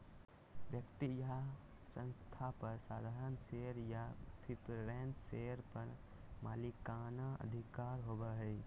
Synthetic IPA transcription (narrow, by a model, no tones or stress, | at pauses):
bjəkt̪ija | sə̃nst̪ʰapəɾsaːd̪ʱaːɾənseɾjapʰipɾenseəɾpəɾ | malikanaʔə̰d̪ʱikaɾɦobəɦəj